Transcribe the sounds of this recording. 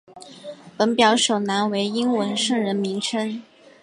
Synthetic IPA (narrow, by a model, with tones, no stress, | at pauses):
pə˧˥npjɑ˧˥ʊʂo˨˩ʊna˧˥nwe˧˥ɪi˥nwə˧˥nʂɤ˥˩ŋɻə˧˥nmi˧˥ŋʈ͡ʂʰə˥n